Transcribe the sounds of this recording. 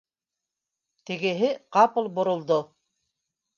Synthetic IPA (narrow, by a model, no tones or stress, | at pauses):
t̪ɘ̆ɡɘ̆ɦɘqɑpɤ̆lˠbŏɾŏlˠd̪o